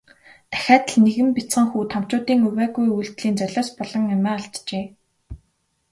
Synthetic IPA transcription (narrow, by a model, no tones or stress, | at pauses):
t̪æ̥xʲaːt̪ə̆ɮneɣɘ̆mpʲit͡sχə̆ŋxuːt̪ʰam̥t͡ɕʊːt̪iːŋɵwæːɣujujɮt̪ɮiːnt͡sœɮʲɔːspɔɮ̥ɞ̆ŋʊmæːaɮt͡ɕ̪t͡ɕeː